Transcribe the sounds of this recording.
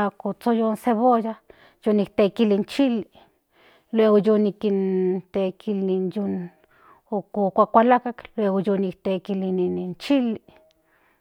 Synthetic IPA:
akot͡sojonseβoja | jonik̚t̪ekilint͡ʃili | lweɣojonikint̪ekʰilinjon | okokʷakʷalakaklweɣojonik̚t̪ekilininint͡ʃili

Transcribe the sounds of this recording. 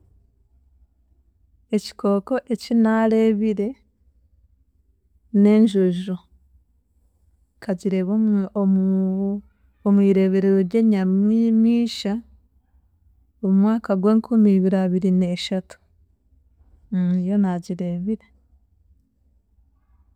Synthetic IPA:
e̞ci̥kʰo̞ːko̞ʔe̞cinaɾe̞ːβiɾe̞ | ne̞ːɲʒoʒo | kʰaɟiɾe̞βo | omwiːɾe̞βe̞ɾe̞ɾoɾɟe̞ːɲammiːʃa | omumwaːkaɡwe̞ːŋkʰumiːβiɾaβiɾine̞ːʃatu̥ | ijo̞naɟiɾe̞ːβiɾe̞

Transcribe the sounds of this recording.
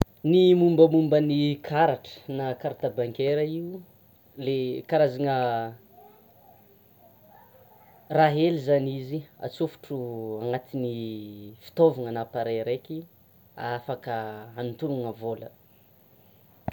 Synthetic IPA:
nimumbəmumbənikʰaɾaʈ͡ʂə̥nakaɾt̪abaŋkeɾəiu | lekaɾazaŋə | raɦelizanizia̰t͡sufu̥ʈ͡ʂuaŋat̪inifi̥t̪ovaŋanapaɾeɾeki | afakəanut̪uɾuŋəvolə̰

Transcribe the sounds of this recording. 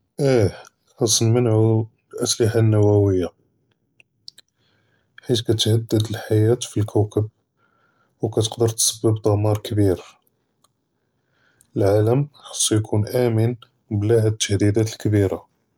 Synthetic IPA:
ʔæ | xɑsˤːnmənʕu | lʔæslɪħanːæwæwəjːa | ħit̪kæt̪həd̪ːəd̪əlħajæt̪filkʰæwkəb̚ | wkæt̪əqd̪əɾt̪səbːəbd̪ˤɑmɑɾˤkəbiɾ | əlʕaləmxɑ̥sˤːjkʰunʔæmən | blæhæd̪ət̪ːæhd̪id̪æt̪əlkəbiɾa

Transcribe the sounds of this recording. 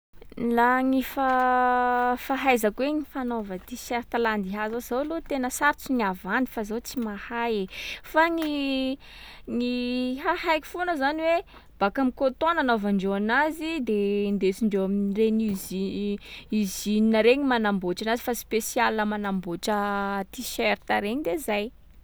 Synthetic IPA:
laŋifa | faɦajzəkweŋifanovət̪isɛɾt̪aland̪iɦazaz̥awlot̪enəsaɾt͡siɲiavanifazat͡simahajefaŋi | ŋiɦahajki̥fonəzaniwe | b̥akamikot̪onanovaɳɖ͡ʐeanazid̪end̪esiɳɖ͡ʐeamireɲizi | izininəɾeɲimanamboʈ͡ʂanazifaspesialnəmanamboʈ͡ʂət̪iʃeɾit̪aɾeɲid̪ezaj

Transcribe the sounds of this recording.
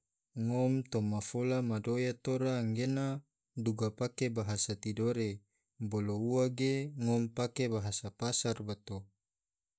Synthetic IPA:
ŋɔmt̪omafolamadojat̪oɾaŋɡena | duɡapakebaɦasat̪idoɾe | bolouwaɡeŋɔmpakebaɦasapasarbat̪o

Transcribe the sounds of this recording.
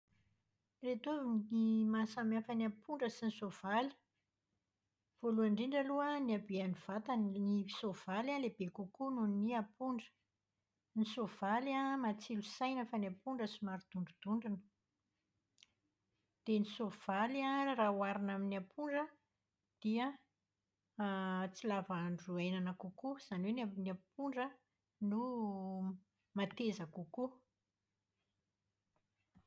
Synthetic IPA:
ret̪uviimasamafanapuɳɖ͡ʐəsinisov̥ali̥ | v̥oluaɳɖ͡ʐeɳɖ͡ʐaluəniabianiv̥at̪annisov̥alanlebekukununiapuɳɖ͡ʐə̥ | nisov̥alamat͡silusajnəfanapuɳɖ͡ʐəsimaɾud̪̥uɳɖ͡ʐud̪̥uɳɖ͡ʐinə̥ | d̪̥enisov̥alarauaɾinaminiapʰuɳɖ͡ʐə | d̪̥iə | t͡silavaɳɖ͡ʐuajnanakukuz̥aniwenaniapuɳɖ͡ʐə | nu | mat̪ezakuku

